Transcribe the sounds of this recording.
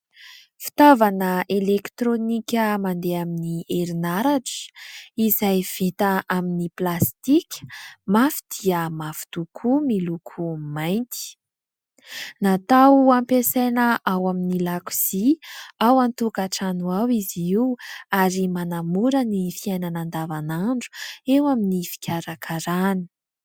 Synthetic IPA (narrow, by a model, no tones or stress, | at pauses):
fi̥t̪avanəʔelekt̪ɾonikʲəmand̪eaminieɾinaɾaʈ͡ʂə̥izajv̥it̪aʔaminiplast̪ikʲə̥mafi̥d̪̥iəmafu̥i̥t̪ukʰumilukʰumajnt̪i̥ | nat̪awampesejnəʔawaminilaku̥z̥iawant̪ukaʈ͡ʂanuawiziwaɾimanamuɾənifiajnanand̪avanaɳɖ͡ʐu̥ewaminifi̥kʲaɾakʰaɾani̥